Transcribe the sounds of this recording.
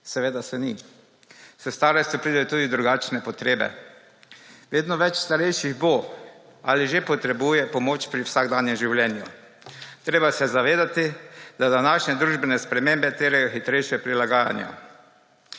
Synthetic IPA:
sɛʋeːd̪asɛni | sɛst̪aːɾɛst̪jɔpɾiːd̪ɛjot̪uːd̪id̪ɾuɡat͡ʃnɛpɔt̪ɾeːbɛ̰ | ʋeːd̪nɔʋɛt͡ʃst̪aɾɛjʃiɣbo | aliʒepɔt̪ɾɛbujɛpɔmoːt͡ʃpɾiwsaɡd̪aːnjɛmʒiwljɛːnju | t̪ɾeːbasɛzaʋeːd̪at̪id̪ad̪anaʃnɛd̪ɾuːʒbɛnɛspɾɛmembɛt̪eːɾajɔxit̪ɾɛjʃjɛpɾilaɡaːja̰nja̰

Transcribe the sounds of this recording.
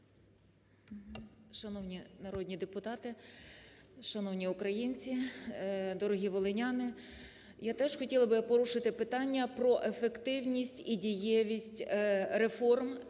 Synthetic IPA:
ʃɐnɔwnʲinɐɾɔd̪ʲnʲid̪epʊt̪ɑt̪ɪ | ʃɐnɔwnʲiʊkɾɐjinʲt͡sʲi | d̪ɔɾɔɦʲiʋɔlˠenʲɑnɪ | jat̪ɛʒxɔtʲilˠɐbɪpɔɾuʃɪt̪ɪpɪt̪ɑnʲːɐpɾɔʔefekt̪ɪwnʲisʲtʲidʲijɛʋʲisʲtʲɾe̞fɔrm

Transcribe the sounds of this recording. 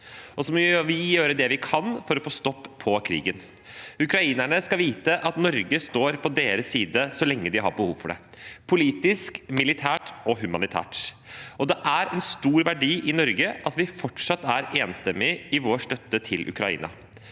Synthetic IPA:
ʔɔsɔmɔʋɪjøːɾəd̪ɛʋɪkʰɑnfɔɾɔfoːst̪ɔpʰːɔkʰɾḭːɡən | ʉkɾɑiːnæɳəskɑʋiːt̪əʔɑt̪nɔɾɡəst̪oːɾpʰɔd̪eːɾəsːiːd̪əsɔlɛŋːəd̪ɪɦɑ̰ɾbəhuːʋfɔɖɛ̰pʰʊliːt̪ɪskmɪlɪt̪ʰæːʈɔhʉmɑnɪt̪ʰæ̰ːʈ | ɔd̪ɛʔæɾɛnst̪uːɾʋæɖiːʔɪnɔɾɡəʔɑt̪ʋɪfɔʈʂɑt̪ːæɾeːnst̪ɛmːɪɪʋoːʂt̪œt̪ːət̪ʰɪlʔʉ̰kɾɑ̰ḭːnɑ̰

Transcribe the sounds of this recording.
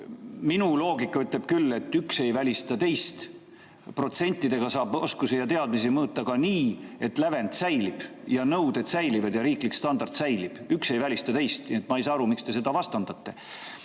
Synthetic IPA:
minulo̞ːɡikːˑɑyt̪le̞b̥̚kylːe̞t̪ːˑykse̞jvælʲist̪ɑt̪e̞jst̪ | pro̞t̪se̞nʲt̪ːˑid̪̥e̞ɡ̥ɑsɑːbo̞skusijɑt̪e̞ɑd̪misimɤːt̪ːˑɑkɑniːe̞t̪læve̞nt̪sæjlib̥jɑnɤwd̪̥e̞t̪sæjlivɑd̪̥jɑɾiːklikːst̪ɑnd̪̥ɑrt̪sæjlib̥ykse̞jvælʲist̪ɑt̪e̞jst̪niet̪ːˑmɑejsɑːɑɾumikst̪e̞se̞d̪̥ɑvɑst̪ɑnd̪ɑt̪ːe̞

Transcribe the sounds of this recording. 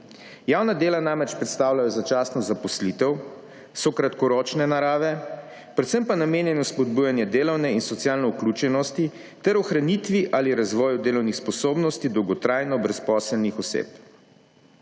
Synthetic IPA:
jawnad̪eːlanamɾɛt͡ʃpɾɛt̪st̪aːwlajɔzat͡ʃaːsnɔzapɔslit̪ɛw | sɔkɾat̪kɔɾoːt͡ʃnɛnaɾaːʋɛ | pɾɛt̪səmpanameːnjɛnɔspɔd̪̚buːjanjɛd̪eːlɔwnɛinsɔt̪sjaːlnɔuklut͡ʃɛnɔst̪i | t̪ɛɾɔxɾanit̪ʋiʔaliɾazʋɔːjud̪eːlɔwnixspɔsoːbnɔst̪id̪ɔwɡɔt̪ɾaːjnɔbɾɛspɔːsəlnixɔsḛːp

